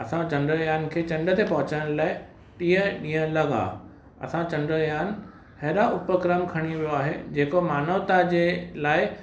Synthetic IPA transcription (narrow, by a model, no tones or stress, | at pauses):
ɐsãt͡ɕɐ̃ɳɖɾəjaːnkʰeːt͡ɕɐ̃ɳɖət̪ʰepɐɦʊ̃t͡ɕəɽ̃laːɪ | ʈĩːə̃ɗĩːə̃lɐɡa̰ | ɐ̰sãt͡ɕɐ̃ɳɖəjaːn | hɐːɗaʔʊpəkɾəmkʰɐɽ̃iʋijoaːɦḛd͡ʑeːkomaːnəʋt̪ad͡ʑeːlaːɪ